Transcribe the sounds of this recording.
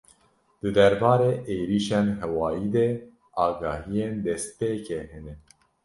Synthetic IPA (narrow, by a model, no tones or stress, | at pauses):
d̪̥ɨd̪ɛɾbɑːɾeːʔeːɾiːʃeːnɦɛwɑːjiːd̪ɛ | ɑːɡɑːhijeːnd̪ɛs̚peːkeɦɛnɛ